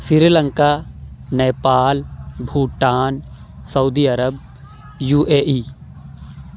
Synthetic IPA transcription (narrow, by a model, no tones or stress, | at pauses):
siɾiːləŋkaːneːpaːlbʱuːʈaːn | sɐud̪iːɐɾəb̚ | juːʔeːʔiː